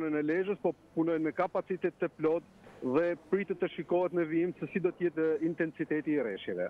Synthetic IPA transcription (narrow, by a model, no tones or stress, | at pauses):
nənɛlɛʒəspɔpunɔjnmɛkapat͡sit̪ɛt̪ːəplɔt̪ | ðɛpɾit̪ət̪ːəʃikɔɦɛt̪nəviimsəsid̪ɔt̪əjɛt̪int̪ɛnsit̪ɛt̪iːɾɛ̰ʃjɛvɛ̰